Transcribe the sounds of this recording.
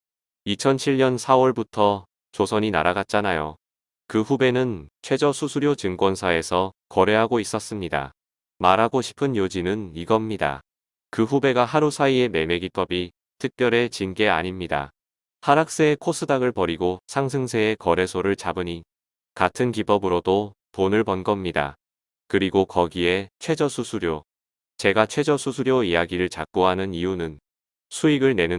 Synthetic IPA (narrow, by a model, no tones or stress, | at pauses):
it͡ɕʰʌnt͡ɕʰiɭɲʌnsʰawʌɭbutʰʌ | t͡ɕosʰʌɲina̰ɾaɡat̚t͡ɕ͈anajo̰ | kɯɸube̞nɯnt͡ɕʰwe̞d͡ʑʌsʰusʰuɾjot͡ɕɯŋkwʌnsʰae̞sʰʌkʌɾe̞ɦaɡois͈ʌs͈ɯmɲida̰ | maɾɦaɡoɕʰi̥pʰɯnjod͡ʑinɯniɡʌmɲida̰ | kɯɸube̞ɡaɦaɾusʰaie̞me̞me̞ɡip͈ʌbi | tʰɯk̚p͈jʌɾe̞t͡ɕinɡe̞a̰ɲimɲida̰ | haɾak̚s͈eekʰos͈ʰɯdaɡɯɭpʌɾiɡosʰaŋs̬ʰɯŋsʰe̞ekʌɾe̞sʰoɾɯɭt͡ɕabɯɲi | katʰɯnkip͈ʌbɯɾodo | ponɯɭpʌnɡʌmɲida̰ | kɯɾiɡokʌɡie̞t͡ɕʰwe̞d͡ʑʌsʰusʰuɾjo | t͡ɕe̞ɡat͡ɕʰwe̞d͡ʑʌsʰusʰuɾjoijaɡiɾɯɭt͡ɕa̰k̚k͈oɦanɯniunɯn | sʰuiɡɯɭne̞nɯ